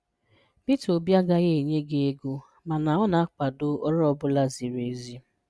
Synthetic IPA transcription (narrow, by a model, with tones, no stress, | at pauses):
b̥i˦to˨bja˦ɡa˦ɣe˦˨ɲe˦ɡe˦e˦ɡu˦ | ma˨na˨ɔ˦na˨a˦k͡pa˨dʊ˦ɔ˦ɾɔ˦bʊ˦la˦zi˨ɾe˨zi˦